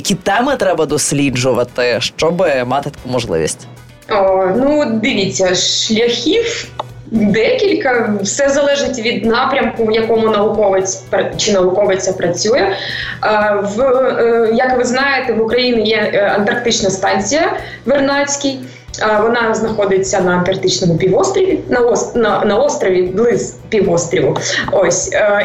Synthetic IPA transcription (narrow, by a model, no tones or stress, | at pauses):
kʲit̪ɛmɪt̪ɾɛbɐd̪ɔsʲlʲid͡ʒʊʋɐt̪ɪʃt͡ʃɔbɪmat̪ɪt̪ɐ̥kumɔʒlˠɪ̰ʋʲḭsʲtʲ | onud̪ɪʋʲit͡sʲːɐʃlʲɐxʲiw | d̪ɛkʲilʲkɐʋsɛzɐlˠɛʐɪtʲʋʲid̪nɑpɾʲɐmkʊjɐkɔmʊnɐʋʊkɔʋɪt͡sʲpɐt͡ʃɪnɐʋʊkɔʋɪt͡sʲɐpɾɐt͡sʲujɛ | v | jɐkʋɨznajɪt̪ɛvʊkɾɐjinʲɪjɛɐnt̪ɐrk̚t̪ɪt͡ɕnɐst̪ɑnʲt͡sʲɪjɐ | ʋɨrnasʲkʲɪj | vɔnɑznɐxod̪ʲɪt̪ʲsʲɐnɐɐnt̪ɐrk̚t̪ɪt͡ɕnɔmʊpʲiʋɔst̪ɾʲɐʋʲinɐɔsnɐnɐɔst̪ɾɐʋʲɪɡlˠɪspʲiʋɔst̪ɾʲɪʋʊosʲ